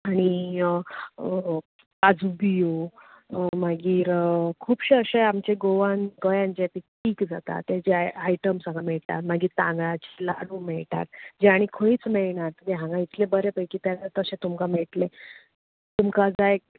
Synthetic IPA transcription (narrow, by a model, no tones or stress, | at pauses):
aɽ̃i | ad͡zubijo | maɡiːɾkʰuːbɕeəɕeamt͡ɕeɡoʋanɡəjãɲt͡ɕet̪iʈiːkd͡zat̪a̰t̪ːed͡ʑeajʈəmsãŋɡamɛɭʈa̰ɾmaɡiːɾt̪ã̰ŋɡɭat͡ɕi̥laɽuːmɛɭʈa̰ɾd͡ʑaɽ̃ikʰəiːt͡smɛɭɳaɾt̪əd̪eɦãŋɡãit̪lebəɾepəjkiːt̪janat̪əɕẽt̪umkameɭʈle | t̪umkad͡zae